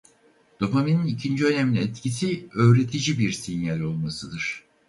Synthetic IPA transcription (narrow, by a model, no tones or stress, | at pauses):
d̪̥o̞pamininicʰind͡ʒiø̞nemlʲiɛt̪cʰisiø̞ːɾet̪ʰid͡ʒibiɾsinjalʲo̞lˠmasɯd̪ɯɾ̥